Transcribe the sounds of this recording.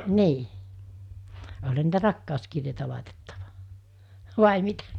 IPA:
niː olʲhɑ niːtæ rɑkːɑˑoskirjeitæ lɑˑitetːɑ̥ʋ̥ɑ̥ ʋɑˑi mitæ

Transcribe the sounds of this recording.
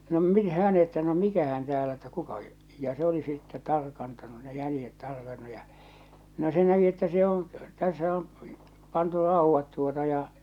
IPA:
no min hæːn etːæ no mikæhæn tæːlæ etːæ kukɑ jɑ se oli sitːe tɑrkɑntɑnu ne jælĭjet tɑrkɑnːu jɑ no se næki etːæ se õː tæsːæ om pɑntu rɑˑuʋːɑt tuotɑ jɑ

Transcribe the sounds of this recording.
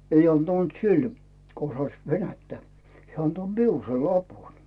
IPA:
ei ɑntɑnt sil ko osɑĭs ʋenætːæ hĕæ ɑnto miul sei lɑpun

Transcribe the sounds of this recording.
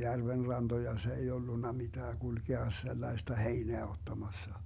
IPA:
jærʋen rɑnd̥ojɑ se ei olːunːɑ mitæː ɡ̊ulɡ̊eɑ selːɑi̯stɑ heineæ otːɑmɑsːɑ

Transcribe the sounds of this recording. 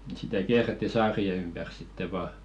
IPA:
sitæ kiæretːi sɑːrie ympær sitːe ʋɑː

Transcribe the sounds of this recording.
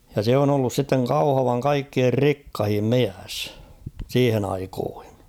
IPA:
jɑ se on olːus sitːeŋ kɑuhɑʋɑŋ kɑikːier rikːɑhim miæs siːhen ɑikoːhi̥n̥

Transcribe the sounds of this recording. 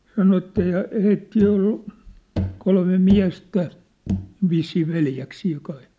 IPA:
sɑno etːæ jɑ heitːiː ol kolme miæ̝stæ ʋisːiː ʋeljæksiː kɑi

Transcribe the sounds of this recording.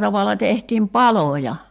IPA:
tɑʋɑlɑ tehtiːm pɑlojɑ

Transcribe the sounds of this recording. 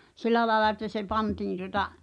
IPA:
silˑæ lɑĕlɑ etːæ se pɑntiːn tuŏtɑ

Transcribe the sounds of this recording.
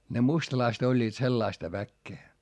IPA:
ne mustɑlɑist olʲːiːt selːɑistɑ ʋækːeː

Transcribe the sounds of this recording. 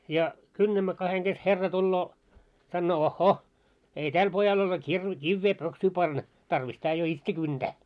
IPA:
jɑ kynːæmːæ kɑheŋ ɡ̊es herːɑ tulːoː sɑnːoː ohːoh ei tæl pojɑl ole kirʋe kiʋːeː pøksyː pɑnːɑ tɑrʋis tæː jo itse kynd̥æː

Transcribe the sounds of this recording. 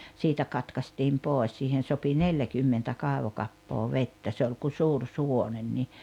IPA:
siːtæ kɑtkɑstiːm poˑes siːhen̞ sopi neljækymːentæ kɑˑeʋokɑpːoː ʋetːæ se olʲ ku suːr suwonen ni

